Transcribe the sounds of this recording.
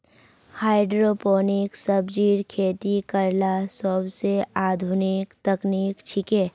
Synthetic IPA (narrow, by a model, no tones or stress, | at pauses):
haːɪɖɾoːpoːnɪksəbd͡ʒiːɾkʰeːt̪ikəɾlasəbseaːd̪ʱʊnɪkt̪əknikt͡ʃʰɪkeː